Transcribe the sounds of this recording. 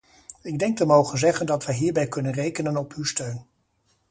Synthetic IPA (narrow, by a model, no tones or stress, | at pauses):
ɪɡ̚dɛŋk̚təmowχənzɛχəndɑtʋəjɦiːɹbɛjkɵnənrejkənənɔpywstøɥn